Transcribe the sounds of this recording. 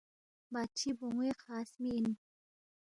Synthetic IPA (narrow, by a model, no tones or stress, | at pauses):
bat͡ʃʰiboŋweqʰaːsmiːn